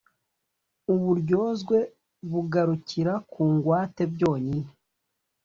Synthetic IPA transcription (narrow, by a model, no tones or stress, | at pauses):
uβuɾɟo̞ːzɡwe̞ | βuɡaɾuciɾakuːŋɡwaːte̞bɟo̞ːɲini